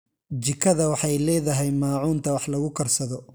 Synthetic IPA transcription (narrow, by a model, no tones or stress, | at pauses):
d͡ʒɪkʰɐðɐwɑħɑjlɛːðɐɦɛjmaːʕuːnt̪ʰɐwɑħlɐɣʊkʰɐrsɐðɔ